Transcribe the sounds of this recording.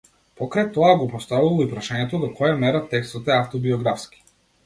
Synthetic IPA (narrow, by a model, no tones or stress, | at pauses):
pɔkɾajt̪ɔaɡɔpɔst̪avulˠɔipɾaʃaɲɛt̪ɔd̪ɔkʰɔjamɛɾat̪ɛkst̪ɔt̪ɛaft̪ɔbiɔɡɾafski̥